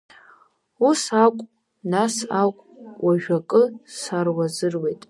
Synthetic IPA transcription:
usakʷʼ | nasakʷʼwʔaʒᶣakʼɨsarwazɨrwe̞jtʼ

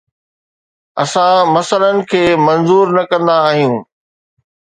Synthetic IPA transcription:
ɐ̰sãmɐsələnɪ̆kʰeːmɐ̃nzuːɾnɐkɐ̃nd̪aːɦijũː

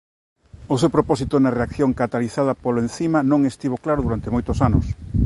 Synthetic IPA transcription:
ʊsewpɾopɔsit̪ʊnɐreakθjoŋkat̪aliθað̞ɐpoloenθimɐnõŋest̪iβoklaɾʊðuɾant̪emojt̪ʊsanʊ̰s

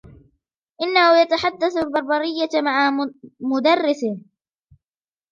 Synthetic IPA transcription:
ʔɪnːahʊjat̪aħad̪ːaθalbɑɾˤbɑɾɪjːamaʕamʊd̪ɑrːɪθɪh

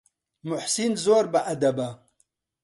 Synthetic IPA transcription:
mʊħsinzoːɾbəʔɐd̪ɐbɐ

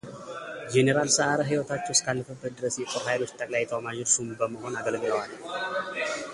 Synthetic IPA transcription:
d͡ʒeneɾalsəʔaɾəɦɨjwot̪ʰat͡ʃːɛwskʰalːəfəbːət̪̚d̪ɨɾəsjɛt̪ʼoɾhajlo̞t͡ʃːt̪ʼəkʼlajajɛt̪ʰəwamaʒɛsumbəməɦo̞naɡəlɡɨləwal

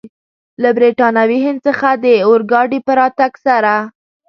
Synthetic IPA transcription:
labɾiʈɑnawihɪnd̪̚t͡səxad̪əʊɾɡɑɖipəɾɑt̪aɡsaɾa

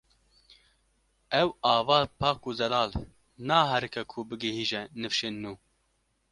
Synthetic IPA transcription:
ɛwɑːvɑːpʰɑːkuːzɛlɑːl | nɑːɦɛɾɨkʰɛkʰubɨɡɛhiːʒɛnɨfʃeːnːuː

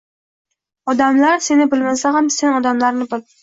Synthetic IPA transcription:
ɒd̪amlaɾse̞nɪbɪlmasaɦamsenɒd̪amlaɾnɪbɪl

